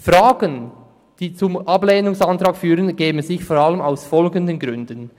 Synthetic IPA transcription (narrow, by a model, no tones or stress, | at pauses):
fraːɡ̥ən | d̥iːt͡sʊmʔɑbleːnʊŋsantɾaːkfyːʁənɡ̥eːbən̩zɪçfɔɾɑləmaʊsfɔlɡəndənɡɾʏndən